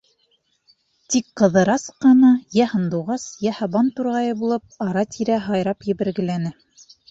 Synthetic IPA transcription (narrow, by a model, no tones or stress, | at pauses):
t̪ikqɤ̆ðɤ̆ɾɑsqɑnɑjæhɤ̆nd̪uwʁɑsjæhɑβɑnt̪uɾʁɑjɤbulˠɤp̚ɑɾɑt̪ʰiɾæɦɑjɾɑpjɘ̆βɘ̆ɾɡɘ̆lænɘ